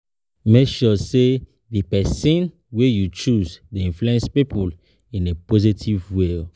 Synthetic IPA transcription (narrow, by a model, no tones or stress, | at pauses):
mekʃɔse | ðipɛsĩn | wejut͡ʃuztuĩnfluɛ̃nspipʰul | ĩnepozitʰivwil